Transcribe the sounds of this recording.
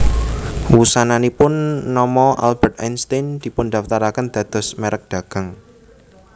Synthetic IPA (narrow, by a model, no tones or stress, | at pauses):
wusananipʊnːɔmɔʔa̰lb̥ɛrt̪̚anst̪end̪̥i̤pʊnd̪aft̪aɾakənd̪̥ä̤d̪̥ɔ̤smeɾək̚d̪̥a̤ɡ̥a̤ŋ